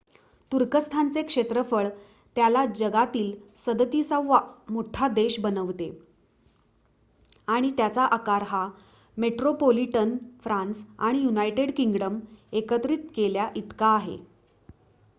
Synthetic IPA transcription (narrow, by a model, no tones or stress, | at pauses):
t̪uɾkəst̪ʰant͡sekʂet̪ɾəfəɭ | t̪jalad͡ʑəɡat̪iːlsəd̪ət̪isaʋʋamoʈʰad̪eɕbənəʋt̪e | aɽ̃it̪jat͡saʔakaɾɦa | meʈɾopoliʈənfɾãnsa̰ɽ̃ijunajʈeɽkiŋɡɽəmekət̪ɾiːt̪̚keljaʔit̪kaːɦḛ